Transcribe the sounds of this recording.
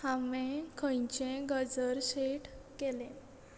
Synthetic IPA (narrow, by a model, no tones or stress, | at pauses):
hamẽkʰə̃jt͡ɕẽɡəd͡zəɾɕeʈkelẽ